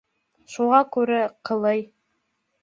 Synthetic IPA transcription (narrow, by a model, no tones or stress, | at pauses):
ʃuʁɑkʉɾɘqʰɤ̆lˠɤj